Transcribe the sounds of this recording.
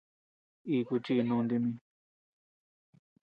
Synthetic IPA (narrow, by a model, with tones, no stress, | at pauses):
i˧ku˧t͡ʃi˦˧nũ˧nd̪i˧mĩ˧